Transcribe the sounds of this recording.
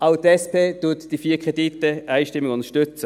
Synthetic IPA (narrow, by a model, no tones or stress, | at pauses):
aʊtɛspʰeːtʊɐtd̥ifiːɐkʁ̥editːəʔæɪʃtɪmːɪɡʊnt̪əʃtʏt͡sə